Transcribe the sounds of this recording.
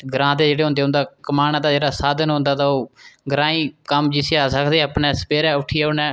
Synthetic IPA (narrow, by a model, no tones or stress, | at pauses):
ɡɾãːd̪eːd͡ʒeːɽeːɦʊ̃nd̪eːɦʊ̃nd̪aːkəmaːnãːd̪aːd͡ʒeːɽaːsaːd̪ənɦʊ̃nd̪aːt̪aːoːɡɾãːĩːkəmd͡ʒɪseːaːsəkʰd̪eːaːpnɛːsə̥peːɾɛːʊʈʰijɛːʊnɛ̃ː